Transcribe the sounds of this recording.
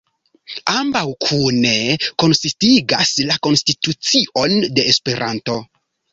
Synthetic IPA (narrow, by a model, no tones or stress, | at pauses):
ambawkʰune̞ko̞nsitiɡaslako̞nstitut͡siʔo̞nde̞espe̞ɾʔanto̞